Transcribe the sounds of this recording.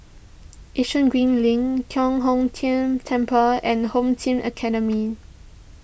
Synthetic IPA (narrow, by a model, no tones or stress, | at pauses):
ʔiʃə̃nɡɹĩnlĩŋkʰjɔ̃ŋɦõmtʰĩmtʰɛ̃mpəɛ̃nhõmtʰĩmʔə̰kʰɛɾəmi